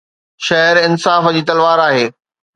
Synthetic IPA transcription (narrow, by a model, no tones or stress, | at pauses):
ʃɐɦɾɪnsaːfd͡ʑiːt̪ɐlʋaːɾaːɦeː